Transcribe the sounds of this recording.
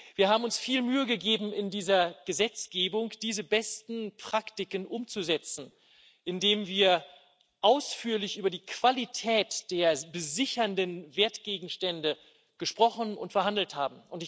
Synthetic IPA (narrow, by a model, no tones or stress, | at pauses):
v̥iːɐɦaːbm̩ʊnsfiːlmyːəɡəɡeːbm̩ɪndiːzɐɡ̥əzɛt͡sɡ̥eːbʊŋd̥iːzəbɛstn̩pʁ̥aktɪkənʔʊmt͡suzɛt͡sn̩ | ʔɪndeːmviːɐ | ʔaʊsfyːɐlɪçʔyːbɐdiːkv̥alitʰɛːtd̥eːɐbəzɪçɐndənveːɐtɡ̥eːɡŋ̩ʃtɛndə | ɡ̥əʃpʁ̥ɔχn̩ʊ̰ntfɛɐɦandl̩thaːbm̩ʔʊntɪ